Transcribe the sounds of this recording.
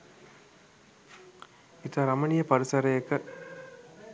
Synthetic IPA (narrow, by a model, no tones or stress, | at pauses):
it̪aːɾɐmɐnijɐpɐɾisɐɾɐjɐkːɐ